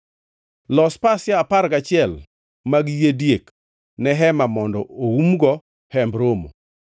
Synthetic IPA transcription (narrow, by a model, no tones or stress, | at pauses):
lɔspasjaapaɾɡat͡ʃɪɛl | maɡjedjek | nɛɦɛmamɔndɔoumɡɔ | hɛmbɾomo̰